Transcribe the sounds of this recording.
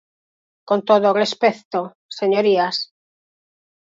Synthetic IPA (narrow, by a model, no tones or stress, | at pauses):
kont̪oðorespeθt̪o | seɲoɾias